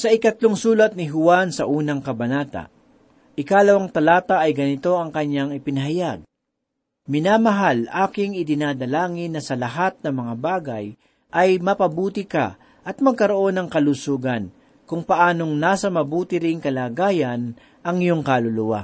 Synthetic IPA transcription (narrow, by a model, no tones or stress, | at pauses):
sɐʔɪkɐt̪loŋsuːlɐt̪̚nɪɦʊwansɐʔuːnɐŋkɐbɐnaːt̪ɐ̰ | ʔɪkalɐwaŋt̪ɐlaːt̪ɐʔɐjɡɐnɪt̪o̞ʔɐŋkɐɲːaŋɪpɪnɐɦɐjaɡ̚ | mɪnaːmɐɦalʔaːkɪŋɪd̪ɪnaːd̪ɐlaːŋɪnːɐsɐlɐɦat̪̚nɐŋmɐŋabaːɡɐj | ʔɐjmɐpɐbuːt̪ɪka̰ | ʔɐt̪̚mɐɡ̚kɐɾo̞ʔo̞nɐŋkɐlusuːɡɐn | kʊŋpɐʔaːno̞ŋnaːsɐmɐbuːt̪ɪɾɪŋkɐlaːɡaːjɐn | ʔɐŋɪjo̞ŋkalʊlʊwa̰